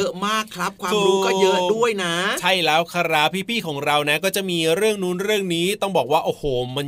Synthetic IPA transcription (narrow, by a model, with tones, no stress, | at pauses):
ɤ˦˥maː˥˩kʰɾa˦˥p̚kʰwaːkʰɯmː˧ɾuː˧˦˥kɔː˥jɤ˦˥du˥˩əjna˦˥t͡ɕʰa˥˩jlɛː˦˥wkʰa˧ɾa˦˧˩pʰiː˥˩pʰiː˥˩kʰɔː˩˦ŋɾa˧wna˦˥kɔː˥˩t͡ɕa˨˩ʔmiː˧ɾɯ˥˩əŋnuː˦˥nɾɯ˥˩əŋniː˦˥t̪ɔ˥˩ŋbɔː˨˩k̚waː˥˩ʔoː˨˩hoː˨˩ma˧n